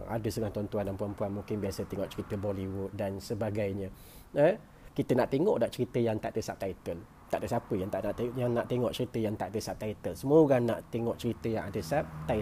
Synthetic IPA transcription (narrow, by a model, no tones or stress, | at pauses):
a̰dəst̪əŋaht̪uant̪uandanpuanpuanmuŋkɪnbiasət̪eŋɔʔt͡ʃəɾit̪əbɔliwʊt̪̚dansəbaɡajɲə | ə | kit̪ənaʔt̪eŋɔʔdaʔt͡ʃəɾit̪əjaŋt̪aʔt̪əsap̚t̪ait̪ən | t̪aʔt̪əsapəjaŋt̪aʔnaʔ̪jaŋnaʔt̪eŋɔʔt͡ʃəɾit̪əjaŋt̪aʔd̪əsap̚t̪ait̪ənsəmuəɡanaʔt̪eŋɔʔt͡ʃəɾit̪əjaŋʔadəsap̚t̪a